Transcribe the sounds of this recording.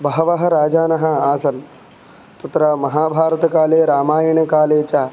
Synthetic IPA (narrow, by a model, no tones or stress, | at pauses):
bɐɦɐʋɐɦɐ̆ɾaːd͡ʒaːnɐɦɐ̆aːsɐl | t̪ɐt̪ɾɐmɐɦaːbʱaːɾɐt̪ɐkaːleːɾaːmaːjɐɳɐkaːleːt͡ʃaː